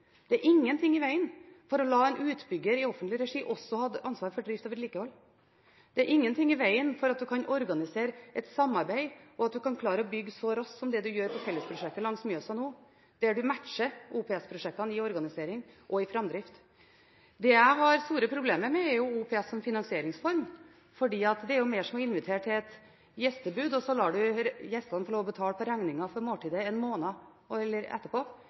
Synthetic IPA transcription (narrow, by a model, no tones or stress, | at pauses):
d̪̥ɛæɾʔɪŋːənt̪ʰɪŋːɪʋæɪənfɔɾɔlɑːɛnʉːt̪bʏɡəɾɪɔfənt̪lɪɾɛʂiːʔɔsːɔhɑd̪ʔɑnsʋɑːɾfɔɖɾɪft̪oːʋəɾliːkəhɔlː | d̪̥ɛæɾʔɪŋːənt̪ʰɪŋːɪʋæɪənfɔɾɑt̪̚d̪ʉkʰɑnɔɾɡɑnɪseːɾəʔɛt̪sɑmːɑɾbæɪʔɔɑt̪̚d̪ʉkɑnkʰlɑːɾəɔbʏɡːsɔɾɔssɔmd̪ɛd̪ʉjøːɾpʰɔfɛlːəspʰɾʊʂɛk̚t̪əlɑŋsmyːəsɑnuː | d̪̥ɛæɖʉmæʈʂəuːpʰɛɛspʰɾʊʂɛk̚t̪ɑnɪɔɾɡɑnɪseːɾɪŋʔɔɪfɾɑmd̪ɾɪft̪ | d̪ɛjæɪɦɑɾst̪uːɾəpʰɾʊbleːməɾmɛːɾjʊuːpʰɛɛsːɔmfɪnɑŋsɪeːɾɪŋsfɔɾm | fɔɖiːɑt̪d̪ɛæɾjʊmeːʂɔmɔɪnʋɪt̪ʰeːʈʰɪlɛt̪ | jɛst̪əbʉːd̪ɔsɔlɑːɖʉjɛst̪ɑnfɔɾɭoːʋɔbət̪ʰɑːlpʰɔɾæŋnɪŋɑfɔɾmoːʈiːd̪əɛnmoːnɑ | ɛlːəɾɛ̰t̪ːəɾpʰoː